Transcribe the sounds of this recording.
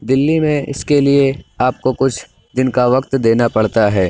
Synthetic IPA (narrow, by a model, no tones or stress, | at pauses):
d̪ɪlːimẽɪ̰skelieaːp̚kokʊt͡ʃʰ | d̪ɪnkaʋɐkt̪d̪eːnapɐɽ̤t̪aɦɛː